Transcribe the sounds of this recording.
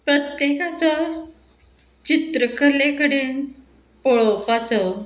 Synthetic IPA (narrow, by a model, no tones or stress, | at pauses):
pɾət̪jekat͡sɔ | t͡ɕit̪ɾəkəɾlekəɽeːn | poɭɔpat͡sɔ